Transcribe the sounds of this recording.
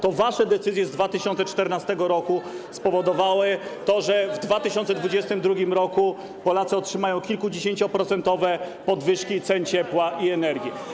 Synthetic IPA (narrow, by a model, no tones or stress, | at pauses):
t̪ɔvaʂɛd̪ɛt̪sɘzʲjɛzd̪vat̪ɘɕɔnt̪sɛt͡ʂt̪ɛɾnast̪ɛɡɔɾɔkuspɔvɔd̪ɔvawɘt̪ɔʐɛvd̪vat̪ɘɕɔnt̪sɛd̪vud͡ʑɛst̪ɘmd̪ɾuɡʲimɾɔku | pɔlat̪sɨɔtʂɘmajɔ̃w̃kʲilkud͡ʑeɕeɲt͡ɕɔpɾɔt̪sɛnt̪ɔvɛpɔd̪vɘʂkʲit̪sɛnt͡ɕɛpwaʔiɛnɛɾɡʲji